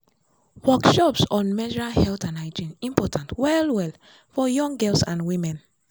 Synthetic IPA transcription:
wɔkʃɔpsɔ̃nmɛd͡ʒɹahɛltãnaɪd͡ʒĩnĩmpɔtʰãntwɛlwɛl | fɔjɔ̃ŋɡɛlsãnwimɛ̃n

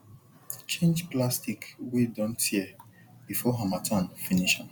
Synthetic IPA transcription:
t͡ʃẽnd͡ʒplastikwidɔ̃nthiɛ | b̥ifɔɦãmatʰãnfiniʃãm

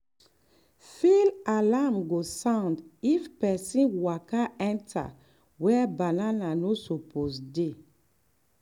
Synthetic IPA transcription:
filalamɡosãndifpɛsĩnwakaɛ̃ntʰa̰ | wɛbanananosoposde

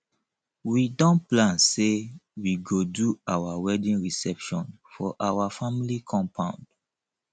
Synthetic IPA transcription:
widɔ̃nplãnsewiɡoduawawɛdĩnɹisɛpʃɔ̰̃n | fɔʔawafamilikʰɔ̃mpʰãʊ̃nd̥

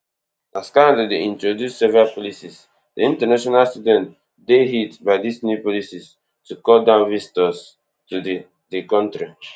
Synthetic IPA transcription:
ʔaskaledeĩntɹodjusːɛvɹapɔlisis | diĩntənaʃɔnalstudɛ̃nt | deɦitbaɪdisnjupɔlisis | tukɔldãʊ̃nɹistɔs | tud | dekɔ̃ntɹi

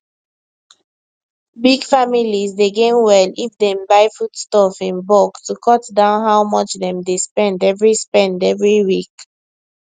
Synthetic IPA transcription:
biɡfamilizdeɡẽnwɛlifdɛ̃mbaɪfutstɔfĩnbɔɡtukʰɔtdãʊ̃nɦawmɔt͡ʃðɛ̃mdespɛ̃ndɛvɹispɛ̃ndɛvɹiwik

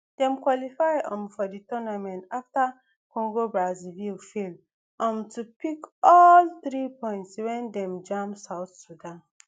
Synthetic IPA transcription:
d̥ɛ̃mkwɔlifajɔ̃mfɔditɔnamɛ̃ntafta | kɔ̃ŋɡobɹazivilfel | ʔɔ̃mtupikɔlθɹipɔ̃j̃ntswɛ̃ndɛ̃md͡ʒãmsaʊwθsudãn

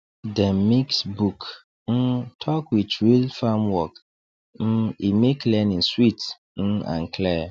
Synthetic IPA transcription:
dɛ̃mmiksbuk | n̩tʰɔkwitɹilfamwɔk | n̩imekʰlɛnĩn̩swit | n̩ã̰ŋ̩kʰlɛ

